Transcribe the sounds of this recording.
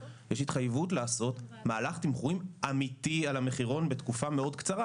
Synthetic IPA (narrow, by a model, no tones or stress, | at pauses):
jeʃit̪χajvutlaːso̞tmaːlaχtimχuimamitialame̞χiʁo̞nbe̞tkufameo̞dkt͡saʁa